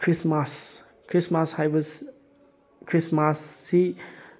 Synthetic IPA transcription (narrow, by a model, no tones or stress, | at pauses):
kʰɾismas | kʰɾismashajbəs | kʰɾismasːi